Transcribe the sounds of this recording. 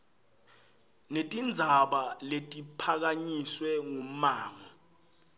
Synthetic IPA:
netʼind͡zʱaɓaletʼipʰak̬aɲiswɛŋum̩maːŋɔ

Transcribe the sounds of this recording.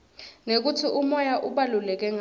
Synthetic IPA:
nek̬utʰiʔumɔjaʔuɓalulɛk̬ɛŋ

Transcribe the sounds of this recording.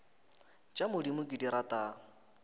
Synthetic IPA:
t͡ʃʼamʊdimʊkʼidiɾatʼa

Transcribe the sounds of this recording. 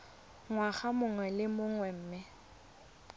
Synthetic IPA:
ŋwaχamʊŋwɛlɪmʊŋwɛm̩ːmɪ

